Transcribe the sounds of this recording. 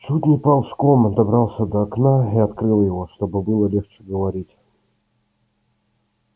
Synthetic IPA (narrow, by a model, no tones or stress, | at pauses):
t͡ɕud̪ʲnʲɪjpɑlˠfsklˠomd̪ɐbɾɑlˠsʲəd̪əːknaiɐt̪kɾɨlˠjɪvo̞ʂt̪o̞bɨbɨlˠəlʲe̞xt͡ɕɪ̥ɡəvɐɾʲitʲ